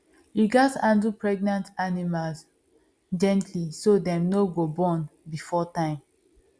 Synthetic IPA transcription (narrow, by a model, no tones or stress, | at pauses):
hiɡɔtãndupɹɛɡ̚nãntanimals | d͡ʒɛ̃ntʰlisodɛ̃mnoɡobɔ̃nbifɔtãɪ̃m